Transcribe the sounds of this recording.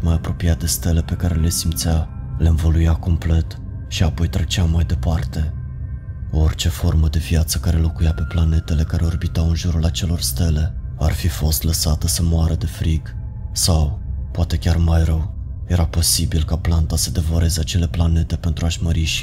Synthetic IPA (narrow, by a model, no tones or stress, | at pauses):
t̪majapɾo̞piat̪̚d̪e̞st̪e̞le̞pe̞kaɾe̞le̞simt̪sa | leɨnvo̞lujako̞mple̞t̪ | ʃiapo̞jt̪ɾet͡ʃeamːajd̪e̞part̪e̞ | oort͡ʃe̞fo̞rməd̪e̞vjat̪sə̥kaɾe̞lo̞kujape̞plane̞t̪e̞le̞kaɾe̞o̞rbit̪awɨnʒuɾulat͡ʃe̞lo̞rst̪e̞le̞a̰rfifo̞st̪ləsat̪əsəmoaɾʔəd̪e̞fɾiɡ | sawpoat̪e̞kʲarmajɾəwje̞ɾapo̞sibilkaplant̪asəd̪e̞voɾe̞ze̞at͡ʃe̞le̞plane̞t̪e̞pent̪ɾuaʃməɾiʃ